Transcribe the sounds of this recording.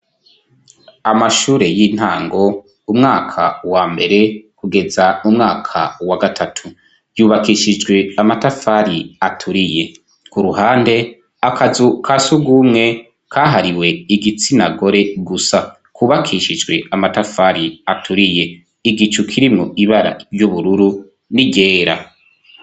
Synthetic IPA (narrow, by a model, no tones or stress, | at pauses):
amaʃuːɾe̞jiːn̥haːŋɡo̞ | umŋaːkʰa̰waːmbe̞ɾe̞kuɡe̞zamumŋaːkʰa̰waɡatʰatʰu | juːβakiʃid͡ʒɡwe̞amatafaɾiatʰuɾije̞ | kuɾuɦaːnde̞ | akazukʰasuɡumŋe̞ | kʰaːɦaɾiwe̞iɡit͡sinaɡo̞ɾe̞ɡusa | kuβakʰiʃid͡ʒɡwe̞amatafaɾiatʰuɾije̞ | iɡit͡ʃukʰiɾimŋoiβaɾa̰ɾjuβuɾuɾu | niɟe̞ːɾa̰